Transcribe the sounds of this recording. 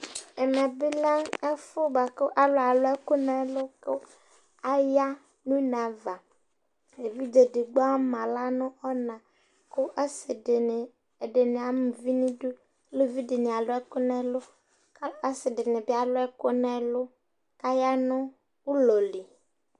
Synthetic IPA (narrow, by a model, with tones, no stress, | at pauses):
e˨mɛ˨be˦la˦e˦fo˦ba˨ko˦ʔa˦lo˦a˨lo˦ɛ˦ko˦nɛ̃˦lo˦ko˦ | a˦ja˦ | nũ˦nã˨va˨ | e˨vi˦d͡ʒe˨de˨ɡ͡bɔ˦a˦mã˨la˦nõ˦ɔ˦nã˨ | ko˦ʔa˦se˨ | e˨ɖe˨nẽ˨a˨me˨vi˦nĩ˦du˦ | lo˦vi˦ɖe˨nẽ˨a˨lo˦ɛ˦ko˦nɛ̃˦lo˦ | ka˦a˦sɪ˨ɖe˨nẽ˨bi˦a˨lo˦ɛ˦ko˦nɛ̃˦lo˦ | ka˦ja˦nõ˦ | wu˦lo˨li˨